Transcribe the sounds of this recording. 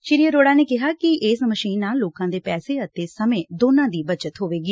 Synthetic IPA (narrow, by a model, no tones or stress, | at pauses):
t͡ʃɪɾijəɾoːɽaːneːkɪɦaːkɪʔeːsməʃiːnːaːlːoːkãːd̪eːpɛːseːət̪eːsəmẽːd̪oːnãːd̪iːbət͡ʃət̪ɦoːʋeːɡiː